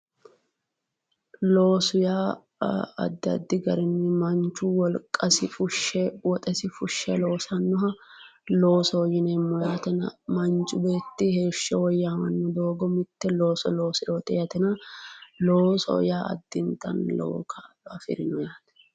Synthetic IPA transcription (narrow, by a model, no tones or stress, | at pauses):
lo̞ːsʊjaː | ɐ̰d̪ːɐ̰d̪ːɪɡɐɾɛnːɪmɐnt͡ʃːuwɔlkʼːɐsɪfʊʃːɛwɔt̪ʼɛsɪfʊʃːɛlo̞ːsɐnːɔɦɐlo̞ːsɔjɪnɛːmːɔjaːt̪ɛnɐ̰mɐnt͡ʃʼʊbeːt̪ːɪhe̞ːʃːɛwɔjːaːmɐnːɔd̪o̞ːɡɔmɪt̪ːɛlo̞ːsɔ̰lo̞ːsɪoːt̪ʼɛjɐt̪ɛnɐloːsɔ̰jaːʔɐ̰d̪ːɪnt̪ɐ̰nlo̰ːkʰa | ɐfɪ̰ɾɪnɔjaːt̪ɛ̥